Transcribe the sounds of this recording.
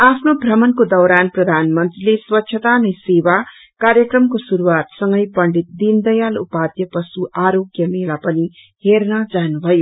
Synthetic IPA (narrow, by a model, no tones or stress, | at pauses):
apʰnobʱrʌmʌnkod̪ʌwɾanprʌd̪ʱanmʌnt̪rileswʌtːɕʰʌt̪anʌjsewa | kaɾjʌkrʌmkosuɾuwat̪sʌŋɡʌjpʌɳɖit̪̚d̪ind̪ʌjalupad̪jʌpʌsuʔaɾoɡjʌmelapʌni | hernʌd͡zanubʱʌjo